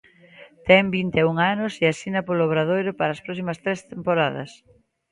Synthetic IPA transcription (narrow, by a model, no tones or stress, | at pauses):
t̪ɛmbint̪euŋanʊseasinɐpoloβɾaðojɾʊpaɾaːspɾɔsimɐst̪ɾest̪empoɾaðɐ̰s